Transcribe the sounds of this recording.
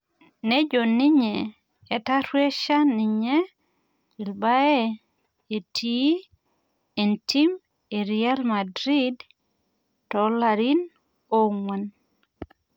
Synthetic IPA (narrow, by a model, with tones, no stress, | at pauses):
ne˦d͡ʒo˨ni˦ɲeː˨ | ta˦ɾwe˦ʃa˦ni˨ɲɛ˦ | i˨lba˦e˦ | e˨tʰi˦ | e˨nti˦m | e˨ɾia˦lma˨dɾi˦d | tɔ˨la˨ɾi˦n | o˦ŋwa˨n